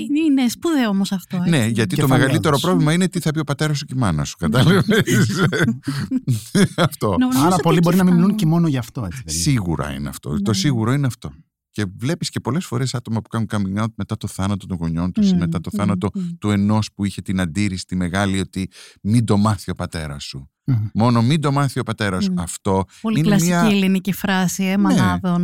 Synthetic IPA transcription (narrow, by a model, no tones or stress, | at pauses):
inespuðeomosɐft̪one̞ʝɐt̪itt̪omeɣɐlit̪e̞ɾo̞ppɾo̞vlimɐinet̪iθɐpio̞pɐt̪e̞ɾɐst̪ocimɐnɐsu̥kɐt̪ɐleves | ɐft̪o̞ɐɾɐpolibo̞ɾinɐmimiluncemo̞noʝɐːft̪oesisiɣuɾɐ̰ḭneɐ̰ft̪o̰t̪o̞siɣuɾo̞ineɐft̪o̞ | ce̞vle̞pisce̞po̞le̞sfo̞ɾe̞sɐt̪o̞mɐpu̥kɐnuŋkɐmiŋɐt̪met̪ɐt̪o̞θɐnɐt̪ot̪oŋɣo̞ɲo̞nt̪usmet̪ɐt̪oθɐnɐt̪o̞t̪ue̞no̞spuiçe̞t̪inɐnd̪iɾisi̥t̪ime̞ɣɐlio̞t̪imind̪o̞mɐθio̞pɐt̪e̞ɾɐ̰su | mo̞no̞mind̪o̞mɐθio̞pɐt̪e̞ɾɐsuɐft̪o̞polinelɐsmiiɐcielinicifɾɐsiemoeɐðon